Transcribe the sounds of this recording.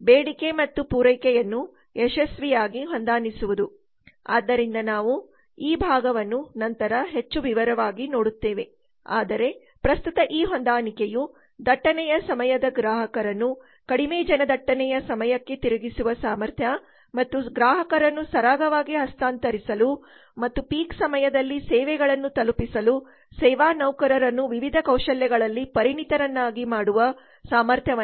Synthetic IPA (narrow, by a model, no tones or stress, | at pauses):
beːɽike̞mɐt̪ːupuɾɐjkɛjɐnːu | eʂɐsʋijaːɡiɦɔnd̪aːnisuʋud̪u | a̰ːd̪ːɐɾind̪ɐnaːʋu | iːbʱaːɡɐʋɐnːunɐnt̪ɐɾɐɦet͡ʃːuʋiʋɐɾɐʋaːɡino̞ːɽut̪ːeːʋe̞ | a̰ːd̪ɐɾe̞ | pɾɐst̪ut̪ɐʔiːɦɔnd̪aːnikeju | d̪ɐʈːɐnɛjɐsɐmɐjɐd̪ɐɡɾaːɦɐkɐɾɐnːu | kɐɽimeːd͡ʒɐnɐd̪ɐʈːɐnɛjɐsɐmɐjɐkːe̞t̪iɾuɡisuʋɐsaːmɐɾt̪ʰjɐ | mɐt̪ːuɡɾaːɦɐkɐɾɐnːusɐɾaːɡɐʋaːɡiɦɐst̪ʰaːnt̪ɐɾisɐlu | mɐt̪ːupiːksɐmɐjɐd̪ɐlːisɛːʋɛɡɐɭɐnːut̪ɐlupisɐlu | sɛːʋaːnɐwkɐɾɐɾɐnːuʋiʋid̪ʱɐkɐwʃɐljɛɡɐɭɐlːipɐɾiɳit̪ɐɾɐnːaːɡimaːɽuʋɐ | saːmɐɾt̪ʰjɐɐ